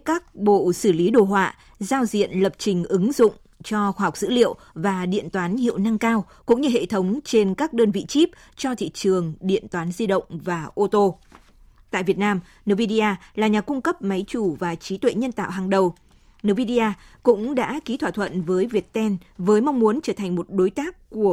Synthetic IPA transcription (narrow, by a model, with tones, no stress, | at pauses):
kaː˦˥k̚ɓo̰˧˨sɨ˧˩li˨˦ɗo˨˩ɦwa̰ː˧˨ | zaː˧wzḭ˧˨ənlə˨˩p̚t͡ɕï˨˩ŋ̟ʔɨ˨˦ŋzʊ̰˧˨ŋ͡m | t͡ɕɔ˧xwaː˧ɦa˨˩k͡p̚z̥ɨ̰˧˥lḭ˧˨əw | vaː˨˩ɗḭ˧˨ənt̪waː˨˦nhḭ˧˨ə˨wna˧ŋkaː˧w | kʊ̰˧˥ŋ͡mɲɨ˧ɦḛ˧˨t̪ʰə˨˦wŋ͡mt͡ɕe˧nkaː˦˥k̚ɗəː˧nvḭ˧˨t͡ɕi˦˥p̚ | t͡ɕɔ˧t̪ʰḭ˧˨t͡ɕɨ˨˩əŋɗḭ˧˨ənt̪waː˨˦nzi˧ɗə̰˧˨wŋ͡mvaː˨˩ʔo˧t̪o˧ | t̪a̰ː˧˨jvi˨˩ət̚naː˧m | nɨ˨˧˩vi˧ɗi˧ʔaː˧laː˨˩ɲaː˨˩kʊ˧ŋ͡mkə˦˥p̚ma˨˦jt͡ɕu˧˩vaː˨˩t͡ɕi˨˦t̪wḛ˧˨ɲə˧nt̪a̰ː˧˨wɦaː˨˩ŋɗə˨˩w | nɨ˨˧˩wvi˧ɗi˧ʔaː˧kʊ̰˧˥ŋ͡mɗa̰ː˧˥ki˨˦t̪ʰwaː˧˨˩t̪ʰwə̰˧˨nvəː˨˦jvi˨˩ət̚t̪ɛ˧nvəː˨˦jma˧wŋ͡mmu˨˦ənt͡ɕəː˧˩t̪ʰa˨˩ŋ̟mo˨˩t̚ɗo˨˦jt̪aː˦˥k̚ːu˧˩ə